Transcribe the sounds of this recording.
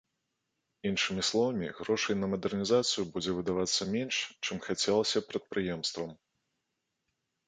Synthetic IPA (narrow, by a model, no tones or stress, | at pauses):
inʂɨmʲislˠɔvɐmʲiɣɾɔʂɨjnɐmɐd̪ɛrnʲizat̪sɨjubud͡zʲɛvɨd̪avat̪sːɐmʲɛnʂt͡ʂɨmxat͡sʲɛlˠɐsʲɐpɾɐt̪̚pɾɨjɛmst̪vɐm